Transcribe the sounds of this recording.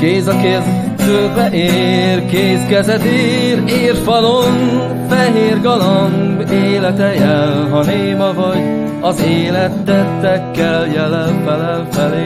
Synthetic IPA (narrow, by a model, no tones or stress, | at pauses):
keːzɒkeːr | zøːbɛʔeːrkeːskɛzɛt̪eɾeːrfɒlon | fɛɦeːrɡɒloŋɡeːlɛt̪ɛjɛlɦɒneːmɒvɒɟ | ɒzeːlɛt̪ːɛt̪ːɛkːɛljɛlɛnfɛlɛlfɛleː